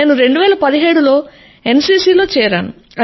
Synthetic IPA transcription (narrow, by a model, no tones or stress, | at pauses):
eːnuɾeɳɖuʋɛːlɐpɐd̪iɦeːɽulo̞ː | e̞nsiːsiːlo̞ːt͡ʃɛːɾaːnu | ɐ